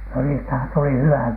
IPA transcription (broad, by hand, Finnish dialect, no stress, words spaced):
no niːstæhæn tuli hywæ